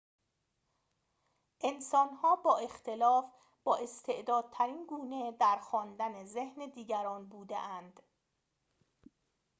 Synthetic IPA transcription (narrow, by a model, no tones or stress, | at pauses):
ʔe̞nsɒːnhɒːbɒːe̞xt̪ʰe̞lɒːf | b̥ɒːʔest̪ʰe̞ʔd̪ɒːd̪̥̚t̪ʰæɾiːnɡuːne̞d̪æɾxɒːnd̪ænezehned̪iːɟæɾɒːnbuːd̪ḛʔænd̪̥